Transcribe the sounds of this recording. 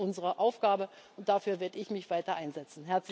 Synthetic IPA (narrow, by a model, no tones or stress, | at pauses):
ʔʊnzəʁəʔaʊfɡ̥aːbə | ʔʊnt̚d̥afyːɐveːɐdəɪçmɪçv̥aɪtɐʔaɪnzɛt͡sn̩ɦɛɐt͡s